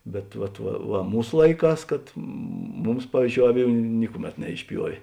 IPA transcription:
bʲɛt ˈʋɐt ʋɐ ʋɐ ˈmuːs ˈlˠɐɪˌkɑːs kɐt ˈmʊms ˈpɑːʋʲiːzʲˌd͡ʒʲoːʊ ˈɑːˌʋʲuː ˈnʲɪkʊˌmʲɛt nʲɛɪʃʲˈpʲjuɔʋʲeː

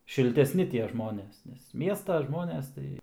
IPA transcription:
ʃʲɪlʲtʲɛˈsʲnʲɪ tʲiɛ ˈʒmoːnʲeːs nʲɛs ˈmʲiɛstɐ ˈʒmoːnʲeːs tɐɪ

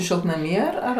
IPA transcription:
ʃʲɪlˠtnɐˈmʲiː ɐr ˈɐr

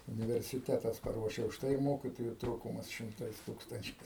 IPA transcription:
ʊnʲɪʋʲɛrʲsʲɪˈtʲæːtɐs pɐˈruɔʃʲɛ ʊʃˈtɐɪ ɪr ˈmoːkʲɪtoːjʊ ˈtruːkʊmɐs ʃʲɪmˈtɐɪs ˈtuːkstɐnʲt͡ʃʲɛɪs

